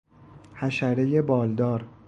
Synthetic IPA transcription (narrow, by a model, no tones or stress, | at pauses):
hæʃæɾeje̞bɒːld̪ɒːɾ